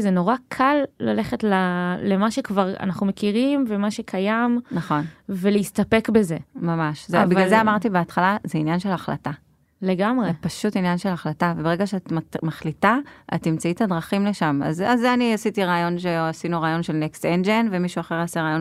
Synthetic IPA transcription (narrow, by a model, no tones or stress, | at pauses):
zeno̞ʁakʰalːa̰le̞χe̞tlalemaʃe̞kvaʁa̰naχnume̞kiʁimvemaʃe̞kʰajamnaχo̞nveleistape̞kbe̞ze̞mamaʃzebivɡalzeamaʁt̪ibeat̪χalazeinjanʃe̞laχla̰ta | le̞ɡamʁepaʃutinjanʃelaχlatavebeʁeɡaʃeatmaχlitaa̰tnimt͡saithadʁaχimleʃama̰zazeaniasitiʁaːjo̞nʃeasinuʁaːjo̞nʃelnekstend͡ʒenvemiʃuaχeʁaseʁaːjo̞n